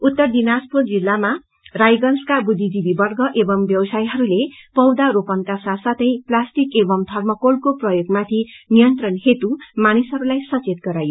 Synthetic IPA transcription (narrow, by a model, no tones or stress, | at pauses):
ut̪ːʌrd̪inaspold͡zilːama | rajɡʌnskabud̪id͡zibibʌrɡʌʔebʌmbjʌwsajɦʌɾulepʌwd̪aɾopʌnkasasʌt̪ʌjplasʈikebʌmt̪ʰʌrmʌkolkoprʌjoɡmat̪ʰinijʌnt̪rʌnɦet̪umanisɦʌɾulajsʌt͡set̪̚ɡʌɾajo